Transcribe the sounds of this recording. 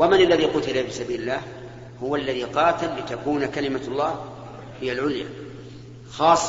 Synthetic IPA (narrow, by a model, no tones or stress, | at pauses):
wamanalːaðiqʊt̪ɪlabɪsabiːlɪlːaːh | hʊwalːaðiqɑːt̪ɪlːɪt̪akuːnakalɪmalˤːɑː | hɪjːalʕʊlja̰ | xɑːsˤː